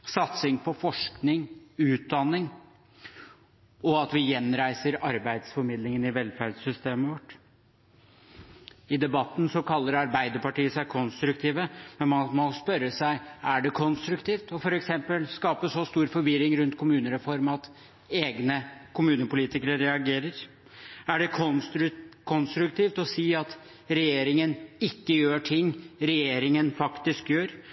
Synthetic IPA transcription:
sɑt̪sɪŋpʰɔfɔʂknɪŋʉːt̪̚d̪ɑnːɪŋ | ɔɑt̪ʋɪjɛnːɾæɪsəɾɑɾbæɪd̪sfɔɾmɪd̪lɪŋənɪʋɛlfæɖsʏst̪eːməʋɔʈː | ɪd̪ɛbɑt̪ːn̩sɔkʰɑlːəɾɑɾbæɪd̪əɾpɑʈiːəsæɪkʰɔnst̪ɾʉkt̪ʰiːʋəmɛnmɔmɔspœɾːəsæɪæɖɛkʰɔnst̪ɾʉkt̪iːft̪ɔfɔɾɛksɛmpəlskɑːpəsɔst̪uːɾfɔɾʋɪɾɪŋɾʉnt̪kʰʊmʉːnəɾɛfɔɾmɑt̪ | eːɡnəkʰʊmʉːnəpʊliːt̪ɪkəɾəɾɛɑɡeːɾəɾ | æɖɛkʰ | kʰɔnst̪ɾʉkt̪iːft̪ɔsiːɑt̪ | ɾɛjeːɾɪŋənɪkːəjøːʈʰɪŋːɾɛjeːɾɪŋənfɑkt̪ɪskjøːɾ

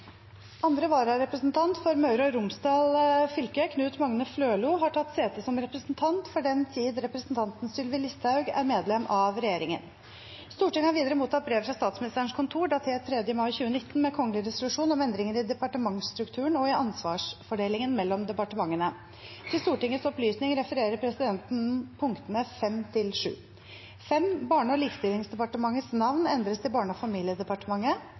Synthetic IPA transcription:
ʔɑnd̪ɾəʋɑːɾɑɾɛpɾəsnt̪ʰɑnt̪fɔɾmɑʉɾɔɾʊmsd̪ɑːlfʏlkəkʰnʉːt̪mɑŋnəfløːluːɦɑʈʰɑt̪ːseːt̪əsɔmɾɛpɾəsnt̪ʰɑnt̪fɔɖɛnt̪ʰiːd̪ɾɛpɾəsnt̪ʰɑnt̪n̩st̪ʏlʋɪlɪst̪hɑʉɡæ̰ɾmeːd̪lɛmːʔɑʋɾɛjeːɾɪŋə̰n | st̪uːʈɪŋhɑɾʋiːd̪əɾəmuːt̪ʰːɑt̪̚bɾeːʋfɾɑst̪ɑːt̪smɪnɪst̪əɾəɳ̩ʂkʰʊnt̪ʰuːɖɑt̪ʰɛːt̪ʰɾɛd̪jəmɑɪçʉːənɪt̪ːn̩mɛkʰɔŋəlɪɾɛsʊlʉʂuːnɔmɛnd̪ɾɪŋənɪd̪ɛpɑʈəmɑŋst̪ɾʉkt̪ʰʉːɳɔɪʔɑnsʋɑːʂfɔɖeːlɪŋənmɛlːɔmd̪ɛpɑʈəmɑŋːənə | t̪ʰɪlst̪uːʈɪŋːət̪sɔplyːsnɪŋɾɛfəɾeːɾəɾpʰɾɛsɪd̪ɛnt̪n̩pʰʊŋkt̪ənəfɛmt̪ʰɪlʂʉ̰ː | fɛmbɑːɳəɔliːkst̪ɪlɪŋsd̪ɛpɑʈəmɑŋːəsnɑʋnɛnd̪ɾəst̪ɪbɑːɳəɔfɑmiːlɪəd̪ɛpɑʈəmɑŋːə

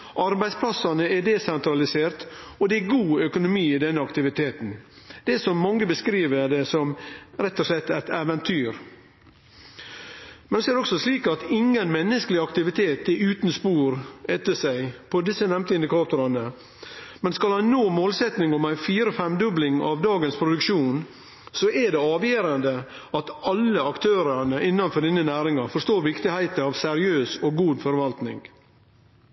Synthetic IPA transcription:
ʔɑɾbæɪspʰlɑsɑnəɛd̪ɛsɛnt̪ɾɑlɪseːɾt̪ɔd̪ɛæɡuːœkʊnʊmiːɪd̪ɛnːəɑkt̪ɪʋɪt̪ʰeːt̪n̩ | d̪̥ɛsɔmːɑŋːəbəskɾiːʋəɖ̪ɛsɔmɾɛt̪ːɔʂlɛt̪ːæɪt̪æʋɛnt̪ʰyːɾ | mɛnsɔɛɾdɛɔksɔsliːkɑt̪ɪŋːənmɛnːəskəlɪɑkt̪ɪʋɪt̪ʰeːt̪ɛɾʉːt̪n̩spuːɾɛt̪ːəsæɪpʰɔd̪ɪsːənɛmt̪əɪnd̪ɪkʰɑːt̪ʊɾɑnə | mɛnskɑlhɑnnoːmoːlsɛt̪nɪŋɔmæɪfiːɾɔfɛmd̪ʉblɪŋɑ̰ʋd̪ɑːɡənspʰɾʊd̪ʉkʃuːn | sɔʔɛɖɛɑːʋjeːɾɑnd̪ə | ɑt̪ɑlːəɑkt̪ʰøːɾɑnəʔɪnːɑnfɔɖiːnənæːɾɪŋɑfɔʂt̪oːɾʋɪkt̪ɪhæɪt̪əɑʋsɛɾɪøːsɔɡuːd̪fɔɾʋɑlt̪nɪ̰ŋ

